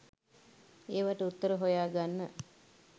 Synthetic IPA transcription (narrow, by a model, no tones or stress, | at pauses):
eːʋaʈəut̪ːəɾəɦojaːɡanːə